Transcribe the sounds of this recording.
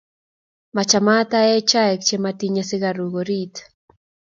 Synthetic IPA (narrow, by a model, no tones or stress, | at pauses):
mat͡ʃamat̪ajet͡ʃaek̚t͡ʃemat̪iɲasɪɣaɾuɣoɾit̪